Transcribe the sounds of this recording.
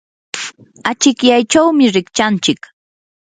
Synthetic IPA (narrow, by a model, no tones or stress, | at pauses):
at͡ʃɪkjajt͡ʃawmɪɾɪkt͡ʃant͡ʃɪk